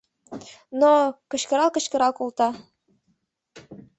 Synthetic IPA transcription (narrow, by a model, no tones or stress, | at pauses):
nokɤ̆ɕkɤ̆ɾɑlˠkɤ̆ɕkɤ̆ɾɑlkulˠt̪ɑ